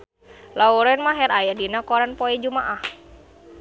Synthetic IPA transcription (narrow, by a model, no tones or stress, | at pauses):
lauɾɛnmaɦɛɾajadinakɔɾanpoɛd͡ʒumaʔah